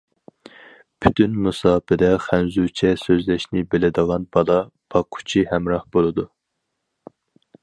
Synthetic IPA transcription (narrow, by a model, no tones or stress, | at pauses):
pʰy̥t̪ʰynmusɑːpɪd̪ɛχænzut͡ʃʰɛsøzlɛʃnɪbelɪd̪əʁɑnbɑlˠɑb̥ɑqʰʊ̥t͡ʃʰihɛmɾɑhb̥olˠɨd̪u